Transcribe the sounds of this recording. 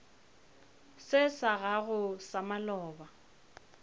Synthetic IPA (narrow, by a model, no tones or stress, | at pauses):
sɪsaɣaɣʊsamalɔːba